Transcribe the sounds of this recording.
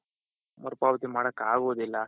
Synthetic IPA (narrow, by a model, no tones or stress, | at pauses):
mɐɾpaːʋɐt̪imaːɽɐkːaːɡoʋud̪ilːɐ